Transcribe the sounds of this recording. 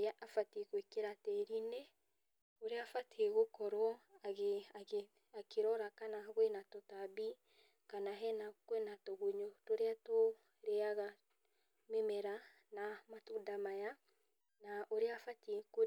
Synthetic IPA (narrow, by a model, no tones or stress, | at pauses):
aʔafateɣwekeɾatɛɾine | oɾeafateɣokɔɾɔaɣeae | akeɾɔɾakanaɣwɛnatɔtabi | kanaɦɛnakwɛnatɔɣoɲɔtoɾeato | ɾeaɣa | memɛɾa | namatundamaja | naʔoɾeafatieko